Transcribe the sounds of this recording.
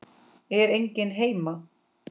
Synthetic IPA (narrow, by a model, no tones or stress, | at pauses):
ɛɾejɲcɪnɦeːjma